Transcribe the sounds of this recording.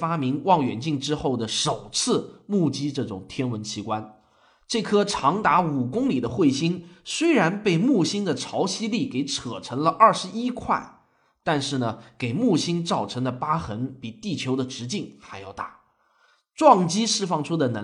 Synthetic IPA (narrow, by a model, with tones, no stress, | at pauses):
fa˥mi˧˥ŋwɑ˥˩ŋɥɛ̰˨˩nt͡ɕi˥˩ŋʈ͡ʂɻ̩˥xo˥˩ʊd̪ə˩ʂo˨˩ʊt͡sʰɹ̩˥˧mu˥˩t͡ɕi˥ʈ͡ʂɤ˥˩ʈ͡ʂʊ̰˨˩ŋt̪ʰjɛ˥nwə˧˥nt͡ɕʰi˧˥kwa˥n | ʈ͡ʂɤ˥˩kʰɤ˥ʈ͡ʂʰɑ˧˥ŋt̪a˧˥u˨˩kʊ˥ŋli˨˩d̪ə˦xwe˥˩ɪɕi˥nswe˥ɪɻa˧˥npe˥˧ɪmu˥˩ɕi˥nd̪ə˨ʈ͡ʂʰɑ˧˥ʊɕi˥li˥˩ke˨˥ɪʈ͡ʂʰɤ˨˩ʈ͡ʂʰɤ˧˥ŋlə˧ʔɐ˞˥˩ʂɻ̩˧˥i˥kʰwa˥˩ɪ | t̪a˥˧nʂɻ̩˥˩nə˩ke˨˩ɪmu˥˩ɕi˥nt͡sɑ˥˩ʊʈ͡ʂʰɤ˧˥ŋd̪ə˧pa˥xə˧˥npi˨˩t̪i˥˩t͡ɕʰjo˧˥d̪ə˧ʈ͡ʂɻ̩˧˥t͡ɕi˥˩ŋxa˧˥ɪjɑ˥˧ʊt̪a˥˩ | ʈ͡ʂwɑ˥˩ŋt͡ɕi˥ʂɻ̩˥˧fɑ˥˩ŋʈ͡ʂʰu˥d̪ə˨na˧˥